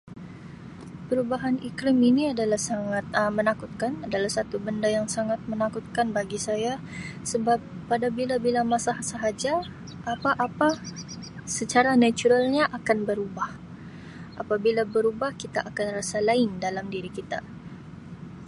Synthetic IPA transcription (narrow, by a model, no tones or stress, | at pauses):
pəɾubaɦanikliminiadalahsaŋat̪̚mənakut̪̚kanadalahsat̪ubəndajaŋsaŋat̪̚mənakut̪̚kanbaɡisaja | səbap̚ːadabilabilamasahsaɦad͡ʒa | ʔːpaʔapa | sət͡ʃaɾanat͡ʃuɾalɲaʔakanbəɾubah | ʔapabilabəɾubahkit̪aʔakanrasalaɪndalamdiɾikit̪a